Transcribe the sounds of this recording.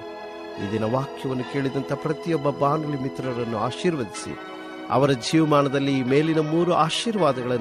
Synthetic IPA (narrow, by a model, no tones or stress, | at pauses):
ḭd̪inɐʋaːkʰjɐʋɐnːuke̞ːɭid̪ɐnt̪ɐpɾɐt̪ijɔbːɐbaːnd̪ɐlimit̪ɾɐɾɐnːuaːʃiːɾʋɐd̪isḭ | ɐ̰ʋɐɾɐd͡ʒiːʋɐmaːɳɐd̪ɐlːime̞ːlinɐmuːɾuʔaːʃiːɾʋaːd̪ɐɡɐɭɐn